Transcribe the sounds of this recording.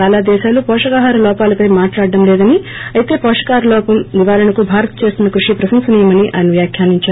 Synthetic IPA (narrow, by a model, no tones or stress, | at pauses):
aːlaːd̪ɛːʃaːlupɔːʂɐkaɦaːɾɐlɔːpaːlɐpɐjmaːʈlaːɖːɐmlɛːd̪ɐni | ɐjit̪e̞ːpɔːʂɐ̥kaːɾɐlɔːpɐmʋiʋaːɾɐɳɐkubʱaːɾɐt̪ɐt͡ʃe̞ːst̪unɐkɾuʂipɾɐsɐmsɐnijɐmɐniʔa̰ːjnɐʋjaːkʰjaːniɲt͡ʃaːɾ